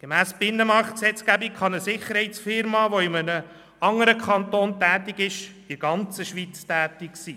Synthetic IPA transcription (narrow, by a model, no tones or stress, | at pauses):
ɡ̥emæːsb̥ɪnːəmɑɾχt̚ksɛt͡skæbikχɑnəsɪχəɾɦhɛɪt͡sfɪɾmɑːʋoɪmənə | ɑŋəɾəkʰɑnt̪oːntæːt̪ɪɡɪʃ | ɪɾɡ̥ɑnt͡səʃʋit͡stæːt̪ɪksiː